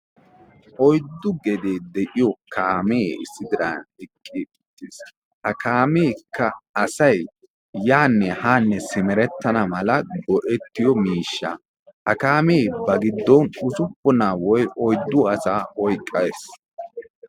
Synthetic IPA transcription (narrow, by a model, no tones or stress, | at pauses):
ʔɔjd̪ːʊɡɛd̪eːd̪ɛʔɪjɔkʰaːmeːɪ̰sːɪd̪ɪɾɐ̰nɛkʼːiɪt̪ːes | hɐkʰaːmeːkʰːɐɐsɐj | jaːnːɛhaːnːɛsɪmɛɾɛt̪ːɐnɐmɐlɐɡɔʔɛt̪ːɪjɔmiːʃːa̰ | hɐkaːmeːbɐɡɪd̪ːɔnʊzʊpːɔnaːwɔjʔɔjd̪ːʊɐsaːɔjkʼːɐes